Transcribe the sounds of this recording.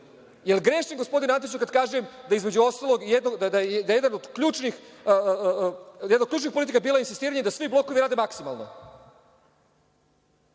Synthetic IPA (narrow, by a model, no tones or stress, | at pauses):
jelˠɡɾeʃɲeŋɡo̞spo̞d̪inant̪it͡ɕukad̪kaːʒujemd̪aizmed͡ʑuo̞st̪alˠo̞ɡjed̪noɡd̪ad̪ajd̪ajed̪anod̪kʎuːt͡ʃnixə | jd̪noklʎuːt͡ʃ̬nixpolit̪̬ikabilainsist̪iːɾaɲed̪asʋiblˠo̞kuʋiɾaːd̪emaksima̰lˠno̰